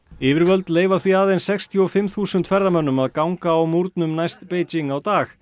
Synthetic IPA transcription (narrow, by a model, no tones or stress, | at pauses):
ɪːvɪɾvœlt̪leːjvaθviaːðejnsɛkst̪ʰjiɔfɪmθuːsʏnt̪fɛɾðamœnːʏmaðkawŋkaːwmuɾt̪nʏmnajst̪peːjt͡ɕiŋawt̪aːx